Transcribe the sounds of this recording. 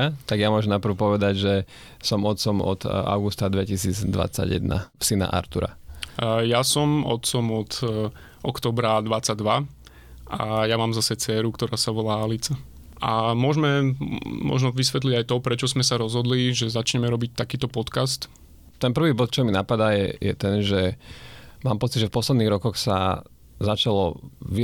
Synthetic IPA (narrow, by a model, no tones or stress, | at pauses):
at̪aɡjamʊɔʒɛmnapr̩ʊpɔʋɛd̪aɟʒɛ | sɔmɔt̪t͡sɔmɔ̰t̪a̰ʊɡust̪ad̪ʋɛcisiːd͡zd̪ʋa̰t͡sa̰ɟjɛ̰d̪na̰psina̰ʔa̰ɾt̪uɾa̰ | jasɔmɔ̰t̪t͡sɔmɔt̪ | ʔɔkt̪ɔːbɾad̪ʋat͡saɟ̚d̪ʋa | ʔa̰jamaːmzasɛt͡sɛːɾukt̪ɔɾaːsaʋɔlaːalit͡sa | amʊɔʒmɛmɔ̰ʒnɔʋisʋɛt̪liɟajt̪ɔpɾɛt͡ʃɔzmɛsaɾɔzɦɔd̪liʒɛzat͡ʃɲɛmɛɾɔbic̚t̪akiːt̪ɔpɔt̪kast̪ | t̪ɛnpr̩ʋiːbɔt̪t͡ʃɔminapad̪ajɛ̰jɛ̰t̪ɛnʒɛ | maːmpɔt͡sid̪ʒɛfpɔslɛd̪niːɣɾɔkɔxsa̰ | zat͡ʃalɔʋi